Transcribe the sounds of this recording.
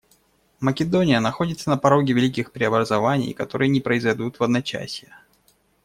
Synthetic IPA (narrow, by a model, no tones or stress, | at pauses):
məkʲɪd̪o̞nʲɪjənɐxo̞dʲɪt̪sənəpɐɾo̞ɡʲɪvʲɪlʲikʲɪxpɾʲɪɐbɾəzɐvanʲɪ̰jkɐt̪o̞̰ɾɨjənʲɪpɾəɪzɐjd̪ut̪vɐd̪nɐt͡ɕæ̰sʲjə